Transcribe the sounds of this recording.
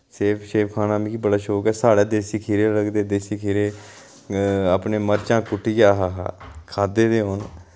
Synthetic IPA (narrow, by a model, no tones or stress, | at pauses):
seːpʰʃeːpkʰaːnãːmĩːkiːbəɽaːʃoːkɛːsaːɽeːd̪eːsiːkʰeːɾeːləɡd̪eːd̪eːsiːkʰeːɾeː | aːpneːməɾt͡ʃãːkʊʈʰiːd͡ʒaːɦaːɦa̰ːkʰaːd̪eːd̪eːɦoːn